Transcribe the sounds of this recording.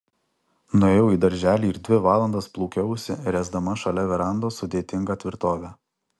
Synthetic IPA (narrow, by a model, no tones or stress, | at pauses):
nʊeːjɛʊiːd̪ɐɾʲʒʲæːlʲiːɾd̪ʲʋʲɪʋɑːlˠɐnd̪ɐsplˠuːkʲɛʊsʲɪɾʲɛzd̪ɐmɐʃɐlʲɛʋʲɛɾɐˑnd̪oːsʊd̪ʲeːt̪ʲɪŋɡɑt̪ʲʋʲɪɾt̪oːʋʲæ